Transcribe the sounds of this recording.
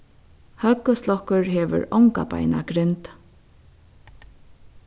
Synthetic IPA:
hœkːəst̪lɔhkːʊɹɦɛːʋə̰ɹɔwŋka̰pa̰jnaɡɾɪnt̪

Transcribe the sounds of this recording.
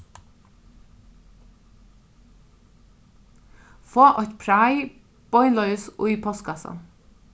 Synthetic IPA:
foːʔɔçt̪pʰɾaj | b̥ɔʏnlœʏsʊjpʰɔst̪kʰasa̰n

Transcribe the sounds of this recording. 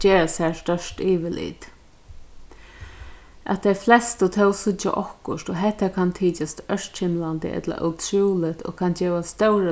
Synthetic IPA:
d͡ʒeːɹasæːst̪œʂt̪iːʋɪlḭːt̪ | ʔa̰t̪t̪ʰːɛjflɛst̪ʊt̪ʰɛwsʊt͡ʃːa̰ʔɔhkʊʃtoɦɛht̪ːakʰant̪ʰiːt͡ʃast̪œʂt͡ʃɪnlant̪ɪ̰ʔɛ̰t̪la̰ʔœ̰wt̪ʰɾuːlɪt̪o̰ːkʰand͡ʒeːʋast̪œwɾa

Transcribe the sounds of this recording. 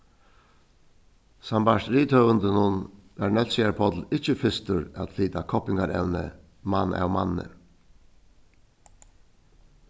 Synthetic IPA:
sambaʂɾiːt̪hœːʋənd̪ənʊnæɾnɛlsiaɾpʰɔt̪l̩ɪt͡ʃəfɪst̪əɾa̰t̪liːt̪akʰɔpɪŋɡaɾɛ̰ʋnə̰ | manːa̰wma̰nnə̰

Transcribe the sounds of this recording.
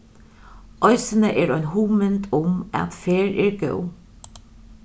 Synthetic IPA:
ʔɔʏsənəʔɛɹɔʏnɦuːmɪnt̪ʊmæ̰t̪feːɹɛɹɡœ̰w

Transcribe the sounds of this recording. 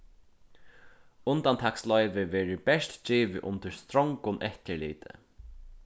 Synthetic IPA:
ʊnt̪ant̪ʰakslɔʏʋɪʋeːɹɪbɛʂt̪d͡ʒiːʋɪ̰ʔʊ̰nt̪əɹst̪ɾɔŋkʊnʔɛht̪əɹlḭːt̪ʰə̰

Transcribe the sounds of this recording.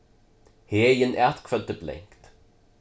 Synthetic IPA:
heːjɪnʔɛːt̪kʰvœlt̪əplɛ̰ŋkt̪

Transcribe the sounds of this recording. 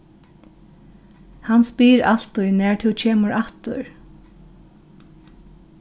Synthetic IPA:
hanspiːɾal̥t̪ːujnɛɹt̪ʰuwcʰeːməɹʔaht̪ʊ̰ɹ

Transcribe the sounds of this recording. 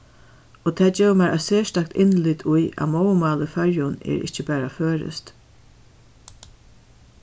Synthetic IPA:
ɔt̪ʰɛːd͡ʒeːvəmɛɾʔasɛːʃtakt̪ɪnlɪt̪ʰʊja̰mɔːwmɑːləfœɹjʊnɛ̰ɾʔɪ̰ht͡ʃəbæːɾaføːɾɪ̰st̪

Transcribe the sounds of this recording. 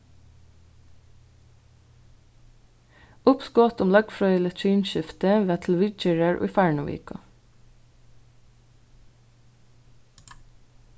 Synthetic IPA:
ʊpskoːt̪ʊmlɑɡfɹɔʏɛlɛt̪ʰɹyːnʃɪft̪əʋeːt̪ʰl̩ʋɪt͡ʃɪɹəɹʔo̰ːiːfæːɳʊʋḭːkʊ̰

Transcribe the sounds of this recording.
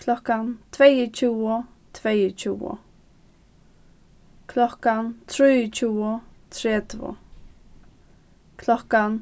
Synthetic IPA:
kʰlɔkant̪ʰvejət͡ʃuːə | t̪ʰvejət͡ʃʰuːə̰ | kʰlɔkant̪ʰɾiːt͡ʃʰuːət̪ʰɾeːt̪ʰvo̰ | kʰlɔkan

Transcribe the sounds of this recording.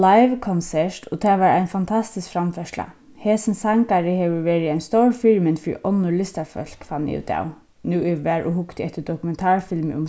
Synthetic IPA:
laɪʋkʰɔnsɛʂtʰo̰ːt̪ʰɛːʋɑːɹæ̰ɪnfant̪ʰɑst̪ɪskfɾamfɛʂla̰ | hɛːsənsaŋkaɾɪheːʋəʋeːɹɪæɪnst̪oːɹfɪɹmənfiɾʔɔnʊlɪst̪aɹfœ̰l̥kfaːnḭd̪̥a̰ʊ | nʉːɪʋæɹʔʊ̰hʊkt̪ɪɛt̪əd̪ɔkʊmɛnt̪ʰɑːɹfɪlmɪ̰ʊm

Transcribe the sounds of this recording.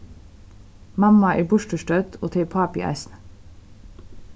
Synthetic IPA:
mɑmɑʔiːbʊʃʈʉʃʈœʏt̪ʰo̰ːt̪ʰepʰɑːpɪ̰ːæ̰ɪsnə

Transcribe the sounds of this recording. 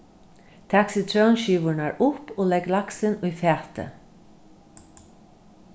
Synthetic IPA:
t̪ʰaksɪt̪ʰɾoʊnʃiːʋʊɳaɹʔʊpoːlɛɡlaksɪnʊjfɛːt̪ə̰

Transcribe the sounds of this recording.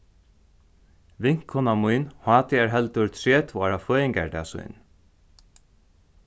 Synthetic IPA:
ʋɪŋ̥kʰːʊnamujnhaːt̪ɪɛɹɦɛlt̪ʊɹt̪ʰɾɛːt̪ʰvaːɹafœːɪŋkaɹt̪ɛ̰ːsṵjn

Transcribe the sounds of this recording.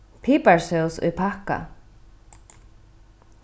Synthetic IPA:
pʰiːpaɹsœwsʊ̰ðpʰahka̰

